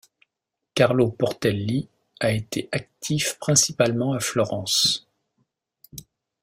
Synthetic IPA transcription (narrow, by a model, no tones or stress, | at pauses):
kaʁlopɔʁt̪ɛlːi | aet̪eʔak̚t̪ʰifpχɛ̃sipalmɑ̃aflɔʁɑ̃s